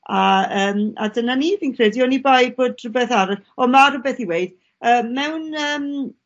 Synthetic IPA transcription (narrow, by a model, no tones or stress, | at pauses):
aəːma̰dənaniviːnkʰrɛdjɔnibaj̚boːdrʊbɛθaɾɔɔmarʊbɛθiweɨd̥ | əːmmɛwnəːm